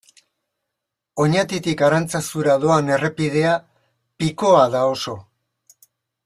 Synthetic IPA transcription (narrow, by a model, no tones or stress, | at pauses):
o̞ɲat̪it̪ikaɾant͡sasuɾað̞o̞ane̞re̞pið̞e̞a | piko̞aðao̞so̞